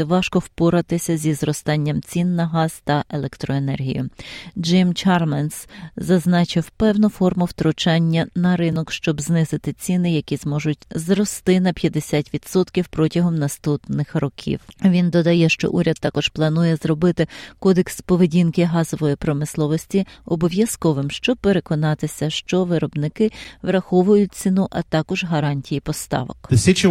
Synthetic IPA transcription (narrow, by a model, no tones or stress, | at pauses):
ɛʋɑʃkɔwpʊɾɐt̪ɪsʲɐzʲizrɔst̪ɑnʲːɐmt͡sʲinːɐɦɑz̥t̪ɐʔelˠekt̪ɾɔenɛ̰rɦʲḭjʊd͡ʒɪmt͡ʃɑrmɛnszɐznɑt͡ʃɪwpɛwnʊfɔrmʊwt̪ɾʊt͡ʃɑnʲːɐnɐɾɪnɔkʃt͡ʃɔbznɪzɪt̪ɪt͡sʲinɪjɐkʲizmɔʒʊtʲzɾɔst̪ɪnɐpʲjɐd̪esʲatʲʋʲid̪̥sɔt̪kʲiwpɾɔtʲɐɦɔmnɐst̪upnɪxrɔkʲʰḭwʋʲind̪ɔd̪ɐjɛʃt͡ʃɔ̰ʔuɾʲɐd̪̚t̪ːɑkɔʃplˠɐnujɛzɾɔbɪt̪ɪkɔd̪ekspɔʋedʲinkɪɦɑzɔʋɔjipɾɔmɪslˠɔʋɔsʲtʲiɔbɔʋʲjɐskɔʋɪmʃt͡ʃɔb̚peɾekɔnɑt̪ɪsʲɐʃt͡ʃɔʋɪɾɔbnɪkɪʋɾɐxɔʋʊjʊt̚ʲt͡sʲinuʔɐt̪ɑkɔʒɦɐɾɑnʲtʲijipɔst̪ɑ̰ʋɔ̰ksʲit͡ʃɪ